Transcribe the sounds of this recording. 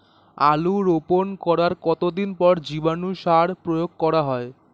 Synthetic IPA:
aluɾoponkɔɾaɾkɔt̪od̪inpɔɾd͡ʑibanuʃaɾpɾojoɡ̚kɔɾaɦɔe

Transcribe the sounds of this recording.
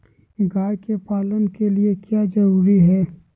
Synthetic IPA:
ɡaːjkepaːlənkeliekjaːd͡ʒɐɾuːɾiɦɛː

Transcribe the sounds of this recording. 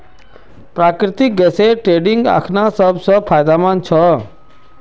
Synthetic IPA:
pɾakɾɪt̪ik̚ɡəseʈɾeɖiŋɡa̰kʰnasəbsəpʰajd̪amãnt͡ʃʰɔ

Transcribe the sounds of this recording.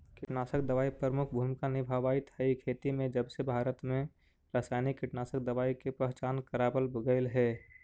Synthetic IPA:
kɪʈnaːsəkd̪əʋaːipɾɾəmʊkʰbʱuːmɪkanɪbʱaʋaːit̪ɦəikʰeːt̪imẽd͡ʒəbsebʱaːɾət̪mẽ | ɾaːsaːɪnikːɪʈnaːsək̚d̪əʋaːikepɾəɦt͡ʃaːnkəɾaːbəlbəɡəɪlɦɛː

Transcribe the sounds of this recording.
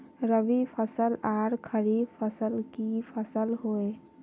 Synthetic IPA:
ɾəbipʰəsəlaɾkʰəɾipʰəsəlkipʰəsəlɦoe

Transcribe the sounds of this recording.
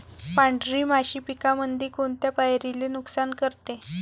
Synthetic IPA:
pãɳɖɾiːmaɕiːpikamənd̪ʱiːkoɳt̪japajɾilenuksankəɾt̪e

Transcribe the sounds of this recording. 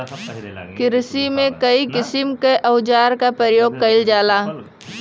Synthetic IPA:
kɪɾsimẽkɐikɪsɪmkeʔəʊd͡ʒaːɾkapɾəəjoːɡ̚kɐɪld͡ʒaːlaː

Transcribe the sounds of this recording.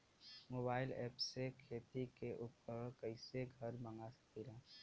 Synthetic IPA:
moːbaːɪlɛ̰ːpsekʰeːt̪ikeʔuːpəɾkəɪseɡʱɐɾmə̃ŋɡasə̥kiɾa

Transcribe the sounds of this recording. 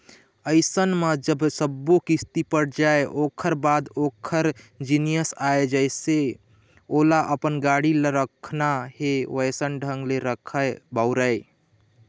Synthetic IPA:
əɪsənməd͡ʒəbsəbːokist̪ipəɽd͡ʒaeʔokʰəɾbad̪okʰəɾd͡ʒinijəsaed͡ʒəɪse | olaʔəpənɡaɽiləɾəkʰnaheʋəjsənɖʱəŋɡleɾəkʰəbəʊɾəɪ

